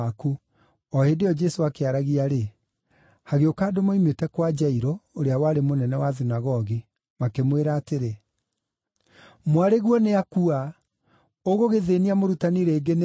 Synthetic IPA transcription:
aku | ɔhedeɔd͡ʒɛsoakeaɾaɣiaɾe | haɣeokaːdomoimetɛkwad͡ʒaiɾooɾeawaɾemonɛnɛwaðinaɣɔɣi | makemweɾaːteɾe | mwaɾeɣwɔneakua | oɣoɣeðeniamoɾutaniɾeːɡen

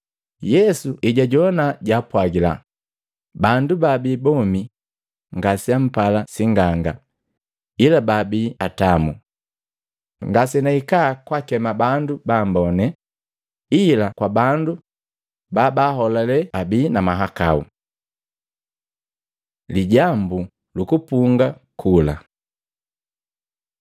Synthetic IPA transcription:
jɛsuʔiɟaɟɔnaɟapwaɡila̰ | bandubabiːbɔmi | ŋɡasiam̩palasiŋɡaŋɡa | ilababiːatamṵ | ŋɡasɛnaikakwakɛmabandubambɔnɛ | ilakwabandu | babahɔlalɛabiːnamaɦakaṵ | liɟambu | lukupuŋɡakʰula̰

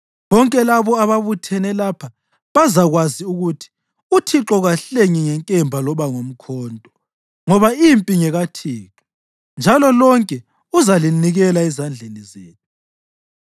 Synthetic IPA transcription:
βɔŋkʼɛlaβɔaβaβutʰɛnɛlapʰa | βazaɣwaziuɣutʰi̥ | utʰiǁɔɣaɬeŋiŋɛŋkʼɛmbʱalɔβaŋom̩kʰɔːntʼɔ | ŋɔβaimpʼiŋɛɣatʰiːǁɔ | nd͡ʒʱalɔlɔŋkʼɛ | uzaliniɣɛlaɛzand͡ɮʱenizeːnu

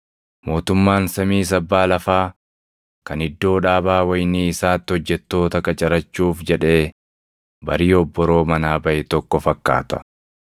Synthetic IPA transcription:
mo̞ːt̪ʊmːaːnsɐmiːs̬ɐbːaːlɐfaː | kɐnɪd̪ːo̞ːᶑaːbaːwɐjniːɪsaːt̪ːɪhɔd͡ʒːɛt̪ːo̞ːt̪ɐkɐt͡ʃʼɐɾɐt͡ʃːuːfd͡ʒɛᶑe̞ː | bɐ̰ɾiːɔbːɔɾo̞ːmɐnaːbɐʔɛt̪ɔkːɔfɐkːa̰ːt̪ɐ̥

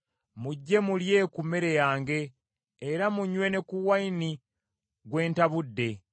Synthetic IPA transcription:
muɟːe̞mulje̞ːkumeɾe̞jaːŋɡe̞ː | ɾamuɲwe̞ne̞kuwaini | ɡwe̞ːntaβudːe̞

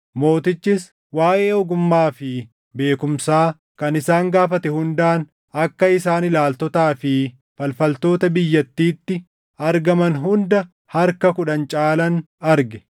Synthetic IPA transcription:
mo̞ːt̪ɪt͡ʃːɪs | waːʔeːɔɡʊmːaːfɪ | be̞ːkʊmsaː | kɐnɪsaːŋɡaːfɐt̪ɛhʊnd̪aːn | ɐkːɐɪsaːnɪlaːlt̪ɔt̪aːfɪ | fɐlfɐlt̪o̞ːt̪ɐbɪjːɐt̪ːiːt̪ːɪ | ɐɾɡɐmɐnɦʊnd̪ɐ | hɐɾkɐkʊᶑɐnt͡ʃʼaːlɐn | ɐɾɡɛ̥

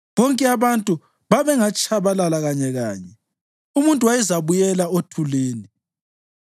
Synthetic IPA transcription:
βɔŋkʼɛaβantʼu | βaβɛŋat͡ʃʼaβalalaɣaɲɛɣa̰ːɲɛ | umuntʼuwajɛzaβujɛlaotʰuleːni

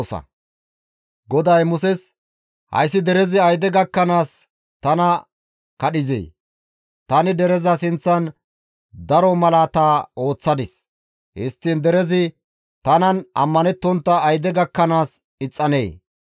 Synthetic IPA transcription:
sɐ̰ | ɡɔd̪ɐjmʊsɛs | hɐ̰jsːɪd̪ɛɾɛzɪɐjd̪ɛɡɐkːɐnaːs | t̪ɐnɐ | kɐɗɪzḛː | t̪ɐnɪd̪ɛɾɛzɐsɪnt͡sːɐn | d̪ɐɾɔmɐlat̪ao̞ːt͡sːɐd̪ɪs | hɪst̪ːɪnd̪ɛɾɛzɪ | t̪ɐnɐnʔɐ̰mːɐnɛt̪ːɔnt̪ːɐːjd̪ɛɡɐkːɐnaːs | ɪt͡sʼːɐnḛː

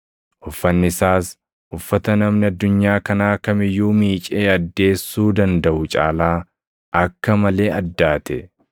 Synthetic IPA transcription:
ʔʊfːɐnːɪsaːs | ʊfːɐt̪ɐnɐmnɪɐd̪ːʊɲːaːkɐnaːkɐmɪjːuːmiːt͡ʃʼeːɐd̪ːe̞ːsːuːd̪ɐnd̪ɐʔʊt͡ʃʼa̰ːlaː | ʔɐkːɐmɐle̞ːɐd̪ːaːt̪ɛ

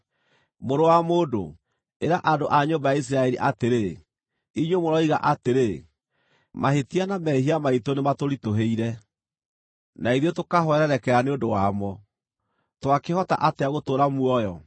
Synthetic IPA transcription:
moɾowamoːdo̰ | eɾaʔadoʔaɲombajais̬iɾaɛɾiʔateɾe | iɲwomoɾɔiɣa̰ʔateɾe | mahetianamɛhiamaitonematoɾitoɦeiɾɛ | naiðjotokaɦɔɛɾɛɾɛkɛɾaneodowamɔ | twakehɔta̰ʔateaɣotoːɾamuɔjɔ

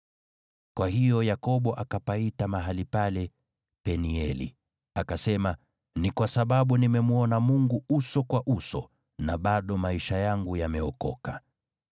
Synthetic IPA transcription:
kwahijɔjakɔɓɔʔakapaitamaɦalipalɛ | pɛniɛlḭ | akasɛma | nikwasaɓaɓunimɛmuɔnamuŋɡuusɔkwaʔusɔ̰ | naɓaɗɔmaiʃajaŋɡujamɛɔkɔka

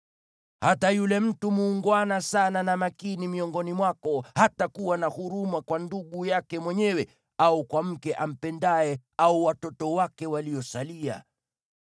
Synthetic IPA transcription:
hatajulɛm̩tumuːŋɡwanasananamakinimiɔŋɡɔnimwakɔhatakuwanahuɾumakwanduɠujakɛmwɛɲɛwɛ | aukwam̩kɛʔam̩pɛndaɛauwatɔtɔwakɛwaliɔsalia̰

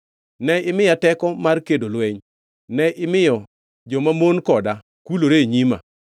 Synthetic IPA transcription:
nɛɪmɪjatɛkɔmarkedolwɛɲ | nɛʔɪmɪjɔ | d͡ʒɔmamonkɔda | kuloɾeɲima̰

